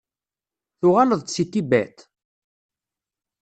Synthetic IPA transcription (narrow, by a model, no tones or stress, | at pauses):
θʊʁaləðˤsit̪ːibæ̰t̪